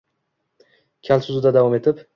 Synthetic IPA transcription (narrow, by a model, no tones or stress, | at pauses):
kʲʰalsʊzud̪ad̪avɒme̞t̪ʰɪp